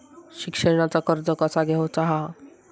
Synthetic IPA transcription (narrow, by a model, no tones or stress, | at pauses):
ɕikʃəɾɽ̃at͡sakɔɾd͡zɔkat͡saɡɛɦot͡saɦa